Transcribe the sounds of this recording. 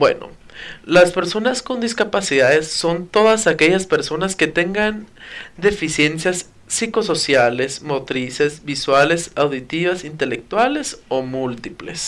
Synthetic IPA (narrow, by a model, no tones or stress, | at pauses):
bwe̞̰no̰laspe̞ɾso̞nasko̞nd̪iskapasiðaðesːo̞nt̪o̞ðasake̞ʝaspe̞ɾso̞naske̞t̪e̞ŋɡand̪e̞fisje̞nsjasː | iko̞so̞sjale̞smo̞t̪ɾise̞zbiswale̞sawðit̪iβasint̪e̞lek̚t̪wale̞somult̪iple̞̰s